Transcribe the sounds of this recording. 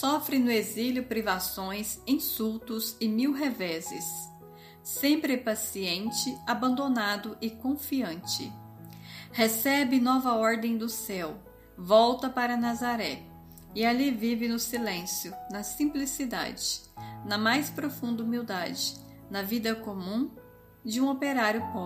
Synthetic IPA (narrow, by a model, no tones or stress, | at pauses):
sɔfɾɪnʊeziljʊpɾivasõj̃sĩsuwt̪ʊzɪmiwɦevɛzɪ̰sː | ẽmpɾɪpasiẽnt͡ʃɪabɐ̃nd̪onad̪ʊʔɪkõfiɐ̃nt͡ʃɪ̰ | hesɛbɪnɔvɐɔɾd̪ẽj̃d̪ʊsɛw | vɔwt̪ɐpaɾɐnazaɾɛ | ɪalivivɪnʊsilẽsjʊnɐsĩmplisid̪a̰d͡ʒɪ̥ | nɐmajspɾofũnd̪ɐumiwd̪ad͡ʒɪ | nɐvid̪ɐkomũ | d͡ʒɪũopeɾaɾjʊpɔ